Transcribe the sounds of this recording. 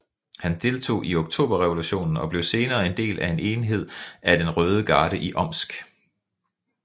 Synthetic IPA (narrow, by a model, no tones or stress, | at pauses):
hænd̥e̝lt͡sʰo̝̰ːʔioɡ̥t͡sʰo̝̰ːb̥ɐʁɛʋo̝luɕo̝̰ːnn̩ɒ̽b̥le̝ʊse̝ːnɐːe̝nd̥e̝̰ːlʔæe̝ne̝ːnɦe̝ð̞̰ˠæd̥enʁœːð̞ˠəɡ̥ɑ̈ːɾ̥əʔiʔɒ̽m̰sɡ̥